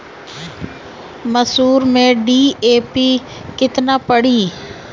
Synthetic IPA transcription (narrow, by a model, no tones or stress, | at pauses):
məsuːɾmẽɖiːeːpiː | kɪt̪naːpəɽ̤iː